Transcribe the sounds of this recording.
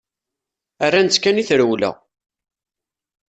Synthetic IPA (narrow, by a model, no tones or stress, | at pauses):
ærːænt͡sːkæniθɾəwlæ̰